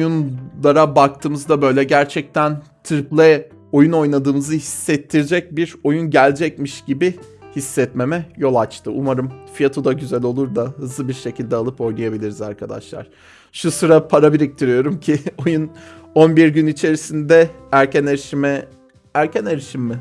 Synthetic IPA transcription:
ojunlˠaɾabak̚t̪ʰɯːmɯzd̪abø̞jlʲɛɟæɾt͡ʃʰɛc̚t̪ʰæn | t̪ʰɾiplʲˠɛ | o̞juno̞jnad̪ɯːmɯzɯɦisːɛt̪ʰːiɾd͡ʒɛc̚biɾo̞junɟælʲd͡ʒɛc̚miʃɟ̥ibi | hisːɛt̪me̞mɛjo̞lˠat͡ʃt̪ʰɯʔumaɾɯmfijat̪ʰod̪aɟyzælʲo̞lˠuɾd̪aɦɯzlˠɯbiɾʃe̞cʰilʲd̪ɛalˠɯpo̞jnujabilʲiɾiza̰ɾkʰad̪a̰ʃlˠa̰ɾ̥ | ʃusɯɾapʰaɾabiɾic̚t̪ʰiɾijo̞ɾumcʰio̞juno̞nbiɾɟynit͡ʃʰe̞ɾisind̪ɛæɾcʰæneɾiʃimɛ | æɾcʰæneɾiʃimːɪ

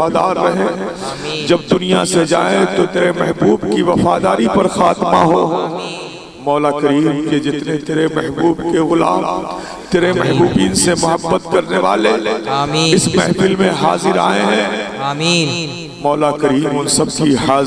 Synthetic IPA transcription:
aːd̪aːɾːɐɦẽ | d͡ʒɐbd̪ʊnija̰sed͡ʒa̰ːẽt̪ot̪eːɾemɛɦbuːbkiʋɐfaːd̪aːɾipɐɾxaːt̪ma̰ɦoː | mɔːlakɐɾiːmked͡ʒɪt̪net̪eːɾemɛɦbuːbkeɣʊla̰ːm | t̪eːɾemɛɦbuːbiːnsemʊɦəbːət̪kɐɾneʋa̰ːle | ɪsmɛɦfɪlmẽɦaːzɪɾa̰ːeɦɛ̃ | mɔːlakɐɾiːmɦʊ̃nsɐbkiɦaː

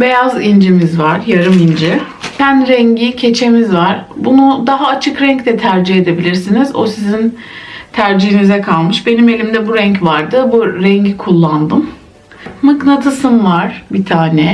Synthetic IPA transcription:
be̞jazind͡ʒimizvaɾ̥jaɾɯmind͡ʒi | sænɾɛɲɟicʰe̞t͡ʃʰe̞mizvaɾ̥bunud̪aɦaːt͡ʃʰɯkɾɛɲct̪ɛt̪ʰæɾd͡ʒihe̞d̪e̞bilʲiɾsinizo̞̰sizin | t̪ʰæɾd͡ʒihinizɛkʰalˠmɯʃbe̞nime̞lʲimd̪ɛbuɾɛɲcvaɾd̪ɯbuɾɛɲɟikʰulˠːand̪ɯmː | ɯknat̪ʰɯsɯmvaɾ̥bit̪ʰaːnɛ

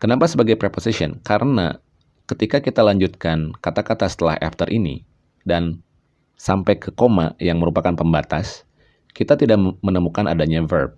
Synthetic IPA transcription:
kənapasəbaɡajpɾeposisiɔ̰nkaɾʔəna̰ | kət̪ikakit̪alaɲd͡ʒut̪̚kankat̪akat̪asə̥t̪əla̰ha̰ft̪ərʔinḭ | dan | sampajkəkoma̰jaŋməɾupakanpəmbat̪as | kit̪at̪idaʔmənəmukana̰daɲavərb̚

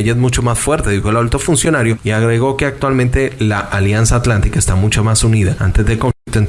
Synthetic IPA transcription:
eʝaezmut͡ʃomasfwe̞ɾt̪e̞ðixoelaβult̪o̞funsjo̞naɾjo̞iaɣɾeɣo̞ke̞ak̚t̪walmẽnt̪e̞laʔaljansaːt̪lant̪ikaest̪amut͡ʃomasuniðaant̪e̞zðe̞lko̞ɱflikt̪oen

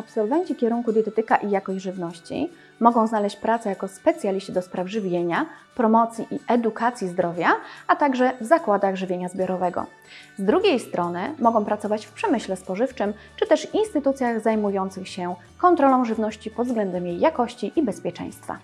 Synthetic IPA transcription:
apsɔlvɛɲt͡ɕikʲɛɾuŋkud̪ʲjɛt̪ɛt̪ɘkaʔijakɔɕd͡ʑʐɘvnɔɕt͡ɕḭ | mɔɡɔ̃w̃znalɛɕt͡ɕpɾat̪sɛjakɔspɛt̪sʲjalʲiɕt͡ɕid̪ɔspɾavʐɘvʲjeɲapɾɔmɔt̪sʲjiʔiʔɛd̪ukat̪sʲjizd̪ɾɔvʲjaat̪aɡʐɛvzakwad̪aɣʐɘvʲjeɲazbʲjɔɾɔvɛɡɔ̰ | zd̪ɾuɡʲejst̪ɾɔnɘmɔɡɔ̃w̃pɾat̪ɔvat͡ɕfpʂɛmɘɕlɛspɔʐɘft͡ʂɘm | t͡ʂɘt̪ɛʂvinst̪ɘt̪ut̪sʲjaɣzajmujɔnt̪sɘxɕɛ | kɔnt̪ɾɔlɔ̃w̃ʐɘvnɔɕt͡ɕipɔd̪zɡlɛnd̪ɛmjejːakɔɕt͡ɕiʔibɛspʲjɛt͡ʂɛ̰j̃st̪fa̰

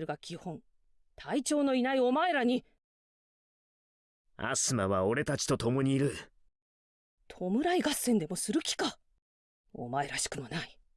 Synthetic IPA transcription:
ɾɯ̟ɡakʲihõ̞n | t̪ʰait͡ɕo̞ːno̞inaio̞maeɾaɲ̟i | a̰sɨmaβao̞ɾe̞t̪at͡ɕi̥t̪o̞t̪o̞mo̞ɲ̟iːɾɯ | t̪ʰo̞mɯ̟ɾaiɡasːẽ̞nd̪e̞mo̞sɨɾɯ̟kʲi̥ka | o̰mae̞ɾaɕi̥kɯ̟monai

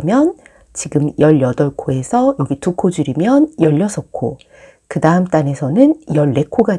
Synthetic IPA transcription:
mjʌn | t͡ɕiɡɯmjʌʎjʌdʌɭkʰoe̞sʰʌjʌɡitukʰod͡ʑuɾimjʌnjʌʎːʌsʰʌk̚k͈ʰo̰ | kɯdaɯmt͈ane̞sʰʌnɯnjʌɭːe̞kʰoɡa

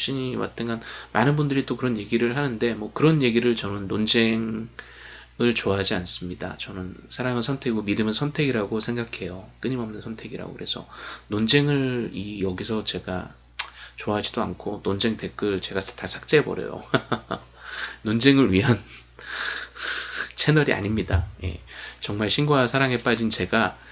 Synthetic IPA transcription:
ɕ͈iɲiwa̰t͈ʰɯnɡanmanɯnbundɯɾit͈okɯɾʌnje̞ɡiɾɯɭhanɯnde̞mwʌkɯɾʌnje̞ɡiɾɯɭt͡ɕʌnɯnːond͡ʑe̞ŋ | ɯɭt͡ɕoaɦad͡ʑians͈ɯmɲida̰t͡ɕʌnɯnsʰaɾaŋɯnsʰʌntʰe̞ɡiɡomidɯmɯnsʰʌntʰe̞ɡiɾaɡosʰe̞ŋɡakʰe̞jok͈ɯɲimʌmnɯnsʰʌntʰe̞ɡiɾa̰ɡo̰kɯɾe̞sʰʌ̰nond͡ʑe̞ŋɯɭijʌɡis̬ʰʌt͡ɕe̞ɡa̰ | t͡ɕoaɦad͡ʑidoa̰nkʰonond͡ʑe̞ŋtʰe̞k͈ʰɯɭt͡ɕe̞ɡatasʰak̚t͡ɕ͈ebʌ̰ɾjḛjo̰ | nond͡ʑe̞ŋɯɭɥiɦan | t͡ɕʰe̞nʌɾia̰ɲimɲidaje̞̰t͡ɕʌŋmaɭɕʰinɡoasʰaɾaŋe̞p͈ad͡ʑint͡ɕe̞ɡa

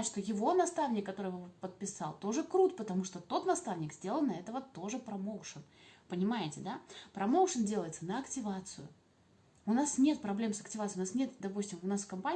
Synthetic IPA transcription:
ʂt̪ojɪvo̞nɐst̪avnʲɪkːɐt̪o̞ɾɨvɨpət̪̚pʲɪsɑ̰lˠt̪o̞ʐɨkɾut̪pət̪ɐmuʂt̪o̞t̪o̞t̪nɐst̪avnʲɪkzʲdʲe̞lˠəlnɐɛt̪əvət̪o̞ʐɨpɾɐmoʊʂənpənʲɪmajɪtʲɪd̪apɾɐmo̞wʂəndʲe̞lˠəjɪt̪sənəɐktʲɪvat̪sɨjʊ̰ | ʊnasnʲe̞t̪̚pɾɐblʲe̞msəktʲɪvat̪sɨjʊnasnʲe̞t̪d̪ɐpusʲtʲɪmʊnasfkɐmpa

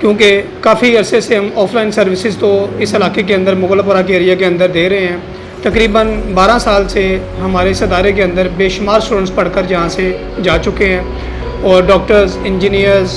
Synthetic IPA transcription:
kjõːkekaːfʰiəɾseseɦəmɔːpʰlaːɪnsəɾʋɪsɪzt̪õɪsɪlaːkek̬eə̃nd̪əɾmʊɣələpəɾakeːɾijakeə̃nd̪əɾd̪eːɾəɦẽɦɛ̃ː | t̪əkɾiːbənbaːɾãːsaːlse | ɦəmaːɾesəd̪aːɾek̬eə̃nd̪əɾbeːʃʊmaːɾsʈuːɖə̃ʈspəɽkəɾd͡ʒɪɦãse | d͡ʒaːt͡ʃʊkeɦɛ̃ː | ɔːɾɖɔːk̚ʈəɾzɪ̃nd͡ʒiːnijəɾz

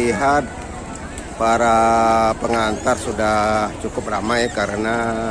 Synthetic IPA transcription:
iɦat̪̚ | paɾapəŋant̪arsudaht͡ʃukʊp̚ramajkaɾəna

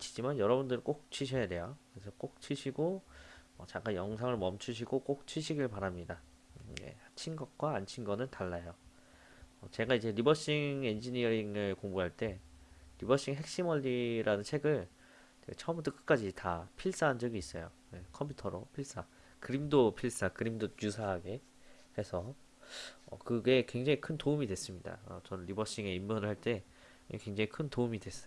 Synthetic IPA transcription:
t͡ɕʰi̥d͡ʑimanjʌɾʌbundɯɾk͈ok̚t͡ɕʰwiɕʰʌjade̞jokɯɾesʰʌk͈ok̚t͡ɕʰɥiɕʰiɡo | ʌt͡ɕaŋk͈ajʌŋsʰaŋɯɭmʌmt͡ɕʰuɕʰiɡok͈ok̚t͡ɕʰɥiɕʰiɡɯɭpaɾamɲida | jḛhat͡ɕʰinɡʌk̚k͈waːnt͡ɕʰinɡʌnɯntaɭːajo | ʌt͡ɕe̞ɡaid͡ʑe̞ɾibʌɕ͈iŋe̞nd͡ʑiɲiʌiŋɯɭkoŋbuɦaɭt͈e̞ɾibʌɕ͈iŋɦe̞k̚ɕ͈imʌʎːiɾʔanɯnt͡ɕʰe̞ɡɯɭ | d͡ʑḛt͡ɕʰʌʌmbut͈ɯk͈ɯ̥k͈ad͡ʑitapʰiɭs͈aɦand͡ʑʌɡiːs͈ʌ̰jo | je̞kʰʌmpʰutʰʌɾopʰiɭs͈a | kɯɾimdopʰiɭs͈akɯɾimdojusʰaɦaɡe̞ | he̞sʰʌ | ʌ̰kɯɡe̞kwe̞ŋd͡ʑaŋikʰɯntoumidwe̞s͈ɯmɲida̰ʌt͡ɕʌnɯnːɾibʌɕ͈iŋe̞imːunɯɭhaɭt͈e̞ | jekwe̞ŋd͡ʑaŋikʰɯntoumidwe̞s͈ʌjo

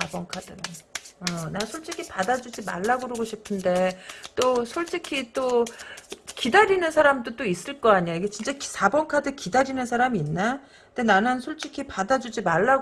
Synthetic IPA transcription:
abʌnkʰadɯɾɯnʌnasʰoɭt͡ɕ͈ʰikʰipadad͡ʑud͡ʑima̰ɭːaɡoɾoɡoɕʰipʰɯnde̞t͈osʰoɭt͡ɕ͈ikʰit͈o | kidaɾinɯnsʰaɾamdot͈ois͈ɯɭk͈ʌaɲaiɡe̞t͡ɕint͡ɕ͈eksʰabʌŋkʰadɯkidaɾinɯnsʰaɾamiːnːa | denanɯnsʰoɭt͡ɕ͈ikʰipadad͡ʑud͡ʑimaɭːaɡ

